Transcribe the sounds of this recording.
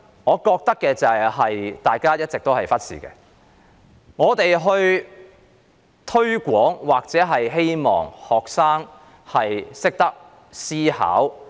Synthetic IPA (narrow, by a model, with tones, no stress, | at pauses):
ŋɔː˨˧kɔː˧k̚t̪ɐ˥kːɛː˧t͡sɐ˨jɦɐ˨jt̪aː˨jkaː˥jɐ˥t̚t͡sɪ˨k̚t̪o˥wɦɐ˨jfɐ˥t̚sḭː˨˩kɛ̰ː˧ | ŋɔː˨˧t̪e˨jɦɵ˧ɥ | t̪ʰɵ˥ɥkʷɔː˨˥ŋwaː˨k̚t͡sɛː˨˥ɦɐ˨jɦe˥jmɔ̰ː˨˩ŋhɔː˨˩k̚saː˥ŋ | hɐ˨jsɪ˥k̚t̪ɐ˥k̚ | siː˥ha̰ː˨˥w